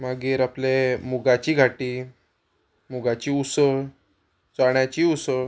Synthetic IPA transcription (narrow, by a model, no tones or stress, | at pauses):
maɡiːɾaplemuɡat͡ɕiːɡʱaʈiː | muɡat͡ɕiːusə | t͡saɳjat͡ɕiːusə